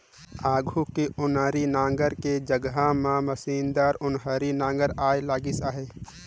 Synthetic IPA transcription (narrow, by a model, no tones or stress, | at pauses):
aːɡʱukeʔʊnəɾinãːŋɡəɾked͡ʒəɡɦamãməsiːnd̪aːɾʊnɦəɾinãːŋɡəɾaːjlaːɡɪsaːɦeː